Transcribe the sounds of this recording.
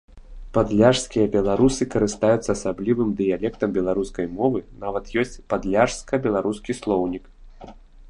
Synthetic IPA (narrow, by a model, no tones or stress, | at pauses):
pad̪lʲaʂskʲijɐbʲɛlˠaɾusɨkɐɾɨst̪ajut̪sːɐːsablʲivɨmd̪ɨjalʲɛkt̪ɐmbʲɛlˠaɾuskɐjmɔvɨnavɐt̪jɔsʲt͡sʲpad̪lʲaʂskɐbʲɛlˠaɾuskʲislˠɔwnʲik